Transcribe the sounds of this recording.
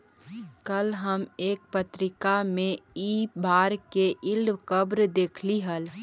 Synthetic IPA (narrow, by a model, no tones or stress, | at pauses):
kəlɦəmeːk̚pət̪ɾɪkamẽibaːɾkeʔɪlɖkəbɾd̪eːkʰliɦəl